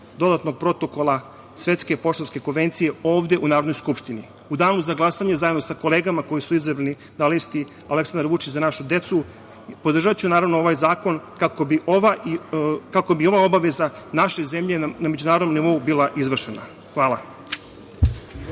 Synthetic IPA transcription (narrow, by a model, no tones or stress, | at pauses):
d̪o̞d̪at̪no̞ɡ̚pɾo̞t̪o̞ko̞lˠa | sʋe̞t̪ske̞po̞ʃt̪oske̞ko̞nʋe̞nt̪sije̞o̞ːʋd̪e̞ʔunaːɾod̪nojskupʃt̪ini | ud̪aːnuzaɡlˠasaɲezajed̪nosako̞leːɡamako̞jisuizabɾani | d̪alist̪i | ale̞ksand̪ɾʋut͡ʃit͡ɕzanaʃud̪e̞t̪su | po̞d̪r̩ʒat͡ɕunaːɾaʋno̞o̞ʋajzaːko̞nkakobiʔoʋaikako̞bio̞ʋao̞baʋe̞za | naʃe̞ze̞mʎe̞named͡ʑunaːɾod̪nomniʋo̞ubilaʔizʋr̩ʃena̰ | xʋaːlˠa̰